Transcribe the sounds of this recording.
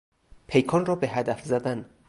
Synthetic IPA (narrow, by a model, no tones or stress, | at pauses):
pʰe̞jkʰɒːnrɒːbeɦæd̪æfzæd̪æn